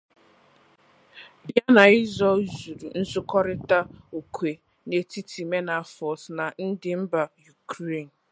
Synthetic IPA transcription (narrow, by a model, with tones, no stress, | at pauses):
bja˦na˨ɪ˦zɔ˦zu˨ɾu˨n̩˦sʊ˦kɔ˦ɾɪ˦ta˦o˨kʷʰe˨ | ne˨ti˦ti˨me˦na˨fɔ˨sna˨n̩˦dɪ˨m̩˦ba˨ju˨kʰɾe˦˨n̩˨